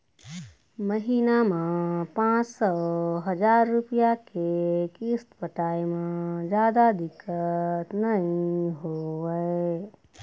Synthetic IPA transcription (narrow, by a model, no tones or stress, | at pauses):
məɦinamẽpãt͡ʃsɔɦəd͡ʒaɾːupijakekist̪pəʈaimed͡ʒjad̪ad̪ikːət̪nəĩɦoʋəɪ